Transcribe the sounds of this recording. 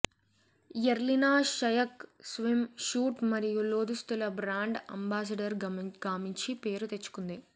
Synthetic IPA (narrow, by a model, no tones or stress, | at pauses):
jɐɾlinaːʃɐjɐksʋimʃuːʈmɐɾijuloːd̪ust̪ulɐbɾaːɳɖɐ̰mbaːs̬ɐɖɐɾɡaːmiɲt͡ʃipe̞ːɾut̪e̞t͡ʃːu̥kund̪i